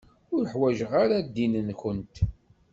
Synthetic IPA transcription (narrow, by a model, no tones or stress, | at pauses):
ʊɾəħwæʒʁaɾad̪ːinənkənt̪